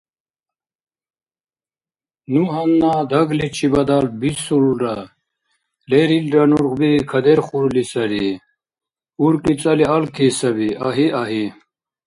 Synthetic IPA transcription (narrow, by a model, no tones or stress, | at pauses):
nuɦɐnːaːd̪ʱɐɡlet͡ɕʰibɐd̪aːlbisuluɾɐ | leɾilɾɐnuɾʁbikʰɐd̪eɾχuɾlisɐɾi | uɾkit͡sɐliɐlkʰisɐbiɐɦiʔɐɦi